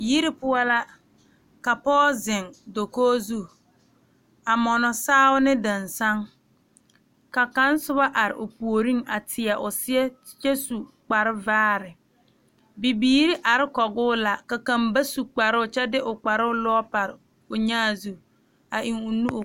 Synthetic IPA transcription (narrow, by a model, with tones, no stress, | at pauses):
ji˦ɾi˦pʊ˦ɔ˦la˦ | ka˨pɔː˦zɪ˨ŋdo˨koː˦zu˦˨ | a˨mɔ˨nɔ˨saː˦ʊ˦nɪ˦dɪ˨nsa˦ŋ | ka˨ka˦n˦sʊ˦ba˦ʔa˨ɾɪ̰˨ʔʊ˨pu˨o˨ɾi˦ŋa˨tʰɪ˨a˨ʔʊ˨sɪ˦ɛ˦ | t͡ʃɛ˦su˨ | k͡pa˨ɾɪ˦vaː˦ɾɪ˨ | bi˨biː˨˦ɾi˦ʔa˨ɾɪ˦kɔ˨ɡʊː˦la˨ka˨ka˨mba˦su˨k͡pa˨ɾʊ˦ʊ˨t͡ʃɛ˦dɪ˦ʔʊ˨k͡pa˨ɾʊ˦ʊ˦lɔ˦pa˨ɾɪ˨ | ʊ˨ɲaː˦˨zu˦ | a˨ʔi˨ŋʊ˨nu˦˨